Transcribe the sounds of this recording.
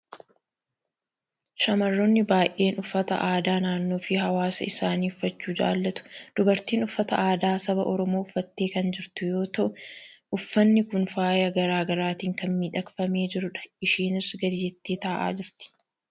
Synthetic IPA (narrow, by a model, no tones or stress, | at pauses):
ʃɐmɐrːɔnːɪbaːjʔe̞ːnʊfːɐt̪ɐ̰ʔaːd̪aːnaːnːoːfɪhɐwaːsɐ̰ɪsaːniːʊfːɐt͡ʃːuːd͡ʒa̰ːlːɐt̪ʊ̥d̪̥ʊbɐɾt̪iːnʊfːɐt̪ɐʔaːd̪aːsɐbɐʔɔɾɔmoːʊfːɐt̪ːeːkɐnd͡ʒɪɾt̪ʊjo̞ːt̪ɐʔʊʊfːɐnːɪkʊnfaːjɐɡɐɾaːɡɐɾaːt̪iːŋkɐnmiːᶑɐkfɐme̞ːd͡ʒɪɾʊᶑɐ̥ɪʃiːnɪsɡɐd̪ɪjɛt̪ːeːt̪ɐʔa̰ːd͡ʒɪɾt̪ɪ̥